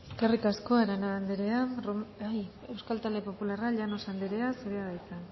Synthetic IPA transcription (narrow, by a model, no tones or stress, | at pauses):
ekarikasko̞eɾanand̪eɾearoaj | e̞wskalt̪ald̪e̞po̞pularaʎano̞sand̪eɾe̞asuɾeaðajt͡san